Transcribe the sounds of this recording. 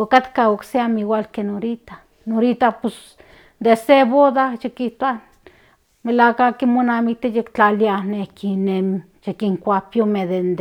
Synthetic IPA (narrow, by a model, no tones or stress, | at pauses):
okat̪kaokseamiwalkenoɾit̪a | noɾit̪apos | d̪eseβoðajekiht̪a | melakakimonamik̚t̪ejekt͡ɬalianehkinem | jekiŋkʷapjomed̪end̪